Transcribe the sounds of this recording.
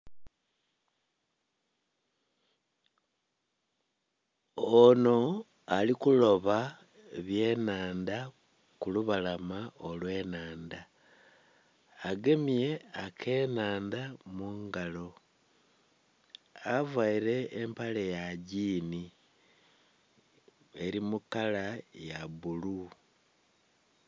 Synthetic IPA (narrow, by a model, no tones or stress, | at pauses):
ono̞ | alikulo̞βa | eβje̞naːnda | kuluβalamaolwe̞ːnaːnda | ɡe̞mie̞akʰe̞naːndamuŋɡalo̞ | avwaiɾe̞ːmpalejaɟiːni | e̞ɾimukalajaβulu